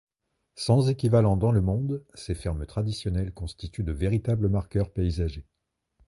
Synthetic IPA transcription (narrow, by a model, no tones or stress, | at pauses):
sɑ̃zekʲivalɑ̃d̪ɑ̃ləmɔ̃d̪sefɛʁmt̪χad̪isjɔnɛlkɔ̃st̪it̪yd̪əveʁit̪abləmaʁkœʁpeizaʒe